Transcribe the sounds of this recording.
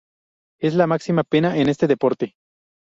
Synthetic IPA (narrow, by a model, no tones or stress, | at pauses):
e̞slamaksimapenaʔene̞st̪eðepo̞ɾt̪e